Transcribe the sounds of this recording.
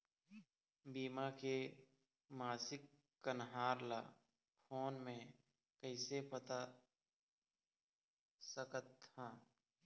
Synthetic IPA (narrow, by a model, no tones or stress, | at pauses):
biːmake | maːsɪkː | ənɦaːɾlaː | pʰoːnmẽ | kəɪsepət̪a | səkət̪ːaː